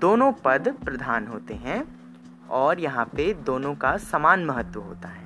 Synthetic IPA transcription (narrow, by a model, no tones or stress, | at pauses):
d̪̥oːnõpɐd̪pɾɐd̪ʱaːnɦoːt̪eɦɛ̃ | ɔːɾjɐɦãped̪oːnõkasamaːnmɐɦət̪wəɦo̰ːt̪aɦɛː